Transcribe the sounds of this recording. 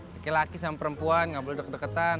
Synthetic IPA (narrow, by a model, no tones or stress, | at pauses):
akelakisamapəɾəmpuanŋɡabolɛdək̚ədəkət̪an